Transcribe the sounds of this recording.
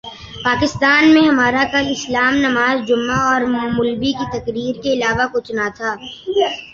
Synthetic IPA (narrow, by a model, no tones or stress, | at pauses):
paːkɪst̪aːnmẽɦɐmaːɾakɐlɪslaːmnɐmaːzd͡ʒʊmːaɔːɾmʊlbikit̪ɐkɾiːɾkeɪlaːʋakʊt͡ʃʰnat̪ʰaː